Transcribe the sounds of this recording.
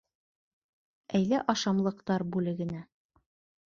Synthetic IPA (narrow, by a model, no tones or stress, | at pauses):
æjlæʔɑʃɑmlˠɤ̆qt̪ɑɾbʉlɘ̆ɡɘ̆næ